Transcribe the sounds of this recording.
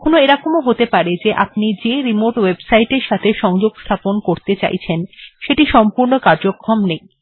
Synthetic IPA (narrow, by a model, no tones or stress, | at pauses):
kʰonoeɾakomoɦot̪epaɾed͡ʑeʔap̚nid͡ʑeɾimoɾʈwebsajʈeɾʃat̪ʰeʃɔŋd͡ʑoɡst̪ʰaponkoɾt̪et͡ɕa̰jt͡ɕʰenʃeʈiʃɔmpuɾnokaɾd͡ʑokʰːɾomnej